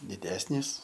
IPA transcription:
dʲɪˈdʲæːsʲnʲiːs

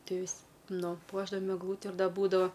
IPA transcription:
ˈtʲiɛ ˈʋʲɪsʲ ˈnʊ ˈpuɔʒdɐʋɐm ɛɡˈlˠuːtʲɪ ɪr ˈdɐ ˈbuːdɐʋɐ

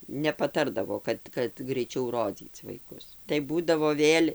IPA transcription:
nʲɛpɐˈtɐrdɐʋoː ˈkɐt kɐt ɡrʲɛɪˈt͡ʃʲɛʊ ˈroːd͡zʲiːt͡s ʋɐɪˈkʊs tɐɪ ˈbuːdɐʋoː ˈʋʲeːlʲ

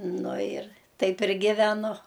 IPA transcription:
ˈnʊ ɪr ˈtɐɪp ɪr ɡʲɪʋʲɛˈnʊ

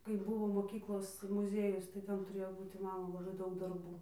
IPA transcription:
kɐɪ ˈbʊʋoː moːˈkʲiːklˠoːs mʊˈzʲiɛjʊs tɐɪ ˈtʲɛn tʊˈrʲeːjoː ˈbuːtʲɪ ˈmɑːnoː lˠɐˈbɐɪ ˈdɐʊk dɐrˈbuː

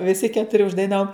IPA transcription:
ʋʲɪˈsʲɪ kʲɛtʊˈrʲɪ ʊʒdɐɪˈnɑːʋoːm

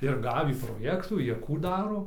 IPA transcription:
ɪr ˈɡɑːʋʲiː proːˈjæːktuː ˈjiɛ ˈkuː ˈdɑːroː

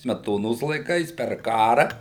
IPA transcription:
sʲmʲɛˈtoːnoːs lˠɐɪˈkɐɪs pʲɛr ˈkɑːrɐ

